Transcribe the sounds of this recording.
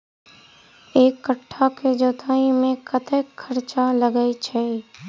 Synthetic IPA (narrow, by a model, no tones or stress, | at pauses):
eːkːəʈʰːaked͡ʒoːt̪ʰaːimẽkət̪əkkʰːəɾt͡ʃaləɡəit͡ʃʰɛː